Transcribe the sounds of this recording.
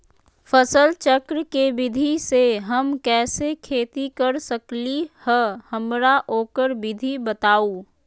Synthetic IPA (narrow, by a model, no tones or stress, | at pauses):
pʰəsəlt͡ʃəkɾəkebɪd̪ʱiseɦəmkɛːsekʰeːt̪ikəɾsəklihɛhəmɾaʔoːkəɾbɪd̪ʱibət̪aːoː